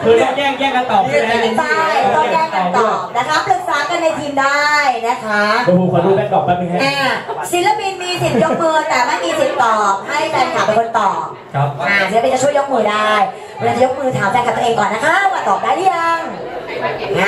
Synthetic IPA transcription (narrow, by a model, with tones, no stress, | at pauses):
ɔː˧nkɛː˥˩kɛː˥˩ka˧nt̪ɔː˨˩˧a˧˩ni˨˧˥ta˥˩jt̪ɔː˧nkɛː˥˩ŋka˧t̪ɔː˧˨˩p̚na˦˥kʰa˦˥plɯ˨˩k̚saː˨˦˥ka˧nːa˧jt̪ʰiː˧mdaː˥˩jna˦˥kʰa˦˥˧u˧kʰɔː˧duː˧˩pa˧˩t̪ɔː˨˩a˦˥i˧˥˧ʔaː˧˩si˨˦nla˧pi˧nmiː˧si˨˩˦njo˦˥k̚mɯː˧t̪ɛː˨˩maː˥˩kiː˧si˨˩t̪̚t̪ɔː˨˩p̚ha˥˩jta˧jt̪ʰaː˨˦pe˧nkʰo˧nt̪ɔː˨˩p̚kʰa˦p̚aː˧˩˨si˨˦lpi˧nt͡ɕa˨˩t͡ɕʰu˥˩əjo˦˥k̚mɯː˨˧˦daː˥˩j | pʰːla˧˩t͡ɕa˨˩jo˦˥k̚mɯː˧˩t̪ʰaː˨˩˦wt͡ɕa˧jka˨˩t̪ːʔeː˧ŋkɔː˨˩nːa˦˥kʰa˦˥˦kaː˧˩t̪ɔː˨˩p̚daː˥˩jdɯː˦˥ja˧ŋ | ha˦˥